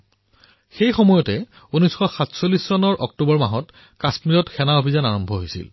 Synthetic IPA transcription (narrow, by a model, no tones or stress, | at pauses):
xejxɔmɔjɔtɛ | unɔjsxɔxatsolːisːɔnɔɹʔɔk̚tubɔɹmaɦɔt | kasmiɹɔtxʰɛnaobʱizanaɹɔmbʱɔɦojsḭl